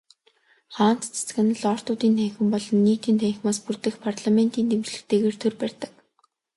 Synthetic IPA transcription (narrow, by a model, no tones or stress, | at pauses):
χaːn̥t̪t͡sʰḁt͡sɡə̆nə̆ɮɔːr̥t̪ʊːt̪iːnt̪ʰæːxɘ̆mpɔɮɞ̆nːiːt̪iːnt̪ʰæːxʲmaːspurt̪ɘ̆xpʰarɮamen̥t̪iːnt̪emt͡ɕɮɘ̆kt̪eːɣeːrt̪ʰerpærʲt̪ə̥̆k